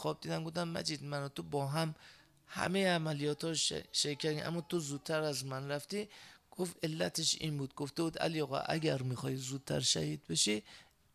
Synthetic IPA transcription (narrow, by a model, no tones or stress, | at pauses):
xɒb̚d̪iːd̪ænɡo̞fd̪æmːæ̰d͡ʒid̪mænot̪ʰobɒːɦæm | hæ̰mejeæmælijɒːt̪ʰhɒ̰ːʃejkʰːæɾd̪iʔæ̰mːɒːt̪ʰozuːd̪̚t̪ʰːæɾæzmænræft̪iːɡ̥ofe̞lːæt̪ʰeʃḭːnbuːd̪̚ɡoft̪ebuːd̪æ̰lijɒɣɑ̰ʔæ̰ɡæɾmixɒːhizuːd̪̚t̪ʰæ̰ɾʃæ̰hiːd̪̚beʃi